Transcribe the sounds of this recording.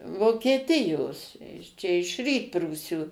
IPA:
ʋoːkʲiɛˈtʲɪjoːs t͡ʃʲɛ ɪʃ ˈrʲiːtpruːsʲuː

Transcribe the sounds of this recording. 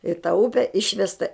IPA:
ɪ tɐ ˈʊpʲɛ ˈɪʃʲʋʲɛstɐ

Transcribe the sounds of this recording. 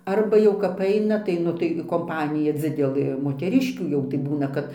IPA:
ˈɐrbɐ jɛʊ kɐp ˈɐɪnɐ tɐɪ ˈnʊ tɐɪ koːmˈpɑːnʲɪjɛ ˈd͡zʲɪdʲɛlˠɘ moːtʲɛˈrʲɪʃʲkʲuː jɛʊ tɐɪ ˈbuːnɐ kɐt

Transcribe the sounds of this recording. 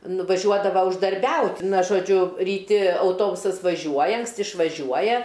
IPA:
nʊʋɐˈʒʲuɔdɐʋɐ ʊʒdɐrʲˈbʲɛʊtʲ ˈnɐ ʒoːˈd͡ʒʲʊ rʲiːˈtʲɪ ɐʊˈtoːbʊsɐs ʋɐˈʒʲuɔjɛ ɐŋksʲˈtʲɪ ɪʃʋɐˈʒʲuɔjɛ

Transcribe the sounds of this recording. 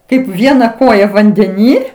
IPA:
ˈkɐɪp ˈʋʲiɛnɐ ˈkoːjɛ ʋɐnʲdʲɛˈnʲiː

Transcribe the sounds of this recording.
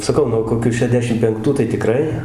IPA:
sɐˈkɐʊ nuɔ koːˈkʲʊ ʃʲɛˈdʲæːʃʲɪm pʲɛŋkˈtuː tɐɪ tʲɪˈkrɐɪ

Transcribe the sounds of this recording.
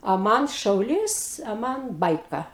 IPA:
ɐ ˈmɐn ˈʃɐʊlʲiːs ɐ ˈmɐn ˈbɐɪkɐ

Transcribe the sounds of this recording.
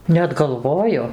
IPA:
nʲɛt ɡɐlˠˈʋoːjʊ

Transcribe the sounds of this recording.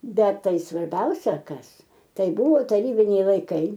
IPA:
ˈbʲɛt ˈtɐɪ sʋɐrʲˈbʲɛʊsʲɛ ˈkɐs ˈtɐɪ ˈbʊʋoː tɐˈrʲiːbʲɪnʲɛɪ lˠɐɪˈkɐɪ

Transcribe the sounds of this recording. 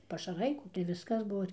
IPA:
pɐʃɐˈrɐɪ kuː tɐɪ ˈʋʲɪskɐs ˈbuɔ

